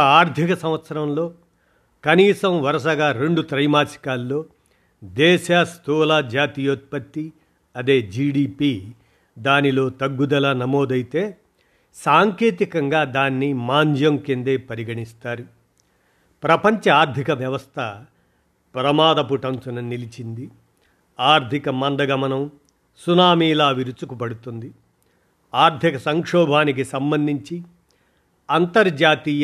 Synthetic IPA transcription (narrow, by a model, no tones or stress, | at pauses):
aːɾd̪ʱikɐsɐ̃mʋɐt̪sɐɾɐmlo̞ː | kɐniːsɐmʋɐɾɐʃɐɡaːɾe̞ɳɖut̪ɾɐjmaːsi̥kaːlːo̞ː | d̪ɛːʃaːst̪ʰuːlaːd͡ʒaːt̪iːjoːt̪̚pɐt̪ːi | ɐd̪e̞ːd͡ʒiːɖiːpiː | d̪aːnilo̞ːt̪ɐɡːud̪ɐlaːnɐmoːd̪ɐjit̪e̞ː | saːŋke̞ːt̪ikɐŋɡaːd̪aːnːimaːɲd͡ʒɐmkend̪eːpɐɾiɡɐɳist̪aːɾu | pɾɐpɐɲt͡ʃɐaːɾd̪ʱikɐʋjɐʋɐst̪ʰɐ | pɾɐmaːd̪ɐpuʈɐnsunɐnilit͡ʃind̪i | aːɾd̪ʱikɐmɐnd̪ɐɡɐmɐnɐm | sunaːmiːlaːʋiɾut͡ʃukupɐɽut̪und̪i | aːɾd̪ʱikɐsɐŋkʂɔːbʱaːnik̬isɐmbɐnd̪ʱiɲt͡ʃi | ɐnt̪ɐɾd͡ʒaːt̪iːj